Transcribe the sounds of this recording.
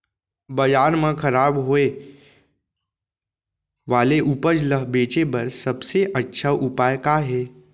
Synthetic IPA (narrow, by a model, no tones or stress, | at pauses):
bɐjaːɾmə̃kʰɐɾaːbɦoːe | ʋaːleʔupəd͡ʒləɦbeːt͡ʃebɐɾsɐbseʔɐtːʃʰaʔʊpaːjkaɦeː